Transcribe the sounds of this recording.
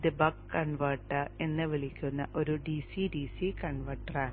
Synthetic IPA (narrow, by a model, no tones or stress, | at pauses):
d̪ɨbɐkkɐɳʋɐrʈːɐe̞nːɨʋiɭikʲːunːɐʔo̞ɾuɖisiɖisikɐɳʋɐʈːɐraː